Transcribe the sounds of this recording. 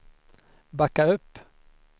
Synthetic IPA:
bakːaɵpː

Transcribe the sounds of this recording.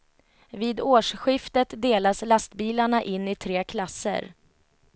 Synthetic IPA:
viːd̪oːʂɧɪft̪ət̪d̪eːlaslast̪biːlaɳaʔɪnːɪt̪ʰɾeːkʰlasːə̰ɾ

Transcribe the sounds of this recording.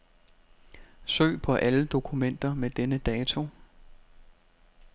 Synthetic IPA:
sø̰ːpʰɒ̽ʔæləd̥o̝kʰumen̰d̥ɐmed̥enəd̥ɛːt͡sʰo̝

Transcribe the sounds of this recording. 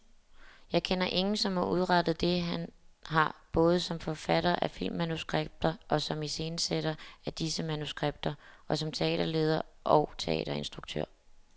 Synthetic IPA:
jɑ̈ɪkʰenɐʔe̝ŋn̩sɒ̽mhɑ̈ʔuð̞ˠʁɑd̥ð̞̩ˠd̥e̝ɦænɦɑ̈b̥ɔ̽ːð̞̩ˠsɒ̽mfɒ̽fæɾ̥ɐʔæfil̰mːænusɡ̥ʁeb̥̚d̥ɐʔɒ̽sɒ̽mise̝ːnəseɾ̥ɐæd̥isəmænusɡ̥ʁeb̥̚d̥ɐʔɒ̽sɒ̽mt͡sʰe̝ɛ̰ːd̥ɐle̝̰ːð̞ˠɐʔɒʊt͡sʰe̝ɛ̰ːɾ̥ɐe̝nsd̥ʁuɡ̥̚t͡sʰø̰ɐ̰

